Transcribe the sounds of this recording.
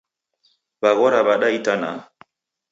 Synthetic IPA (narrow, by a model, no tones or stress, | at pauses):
baɣɔɾaβaɗaitana̰